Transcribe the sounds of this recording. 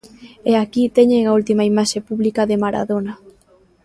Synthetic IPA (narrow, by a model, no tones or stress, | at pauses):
eakit̪ɛɲeŋault̪imaimaʃepuβlikɐðemaɾa̰ðonɐ